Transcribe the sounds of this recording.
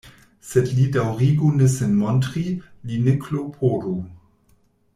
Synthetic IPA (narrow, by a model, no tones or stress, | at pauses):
sɛdlidawʁiɡunesenmɔntɾilinekʰlopʰoɾu